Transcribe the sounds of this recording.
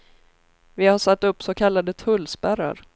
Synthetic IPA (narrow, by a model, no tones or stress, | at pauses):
vɪhaʂat̪ːɵpːsɔkʰalːad̪ət̪ʰɵlːspæɾa̰ɾ